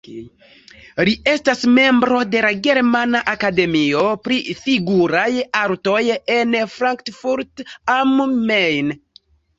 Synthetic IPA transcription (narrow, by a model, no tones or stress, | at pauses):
lie̞stasme̞mbɾo̞de̞laɡe̞ɾmanaʔakade̞mio̞pɾifiɡuɾajaɾto̞jenfɾaŋktfuɾtammejn